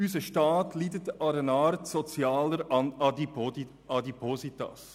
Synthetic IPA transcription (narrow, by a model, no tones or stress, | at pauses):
ysəʃtɑːtliːdətɑɾənɑːɾtsɔt͡sjaːləɾɑnɑdi | ɑdipʰosit̪a̰s